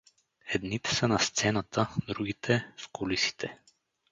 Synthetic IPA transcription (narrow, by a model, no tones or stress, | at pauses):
ɛd̪nit̪ɛ̥sənast̪sɛnat̪ʰəd̪ɾuɡit̪ʰɛfkolisi̥t̪ʰɛ